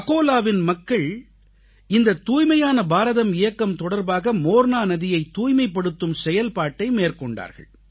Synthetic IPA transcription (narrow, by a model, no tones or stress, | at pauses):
ɐɣoːlaːʋɪnmɐkːɐɭ | ɪnd̪ɐt̪ːuːjmɐjaːnɐbaːɾɐðɐmɪjɐkːɐmt̪ɔɽɐɾbaːɣɐmoːɾnaːnɐðɪjɐɪt̪ːuːjmɐɪpːɐɽɯt̪ːɯmsɛjɐlpaːʈːɐɪmeːrkɔɳɖa̰ːɾɣɐ̰ɭ